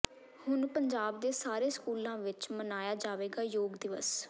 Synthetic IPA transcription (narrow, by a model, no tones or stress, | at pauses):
hʊnpəɲd͡ʒaːb̚d̪eːsaːɾeːskuːlãːʋɪt͡ʃmənaːjaːd͡ʒaːʋeːɡaːjoːɡd̪ɪʋəs